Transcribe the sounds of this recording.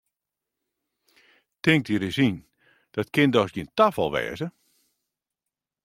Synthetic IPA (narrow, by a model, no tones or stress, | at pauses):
tɪŋk̚tiɾɪsin | d̥ɔtkɪndɔsɡintafɔ̰lˠʋɛ̰ːzə